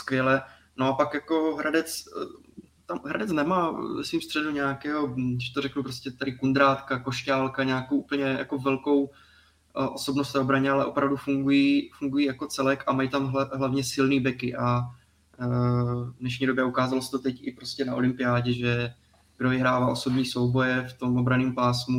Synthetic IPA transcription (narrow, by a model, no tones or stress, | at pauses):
skvjɛlɛ | no̞apakjako̞ɦɾʔadɛt͡s | t̪amɦɾa̰dɛt͡snɛmaːvɛsviːmst̪r̥ɛduɲɛakɛːɦoɛʃt̪oɾɛknupɾoscɛt̪aɾɪkund̪ɾaːt̪kako̞ʃcaːlkaɲaːkowʔupl̩ɲɛja̰ko̞vɛlko̞w | ʔo̞so̞bnost̪ɛːobɾaɲɛalɛʔo̞pɾavdufuŋɡujiːfuŋɡujiːjako̞t͡sɛlɛkʔamajit̪amɦɦlavɲɛsɪlniːbɛkɪʔa | dnɛʃ̬ɲiːdo̞bjɛukaːzalosɛ̥t̪o̞t̪ɛcɪpɾo̞scʲɛnaʔo̞̰lɪmpɪjaːɟɛʒɛ | ɡ̥dovɪɦɾaːvaːʔo̞so̞bɲiːso̞wbo̞jɛft̪o̞mʔobɾaniːmpaːsmu